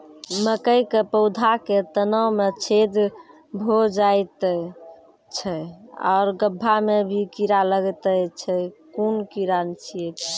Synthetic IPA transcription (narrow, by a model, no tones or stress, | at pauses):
məkəjkepəʊd̪ʱaket̪ənəmet͡ʃʰed̪ | bʱod͡ʒajt̪ | t͡ʃʰɛɔ̰ʊɾɡəbʱːamebʱikiɾaləɡt̪əjt͡ʃʰɛkunkiɾant͡ʃʰie